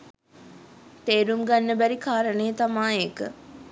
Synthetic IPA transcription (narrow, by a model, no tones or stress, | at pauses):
t̪eːɾumɡanːəbæɾikaːɾəneːət̪amaːekə